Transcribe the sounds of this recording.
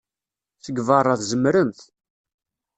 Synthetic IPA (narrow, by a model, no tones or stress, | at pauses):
θəɡvɑrˤːɑθzəmɾənθ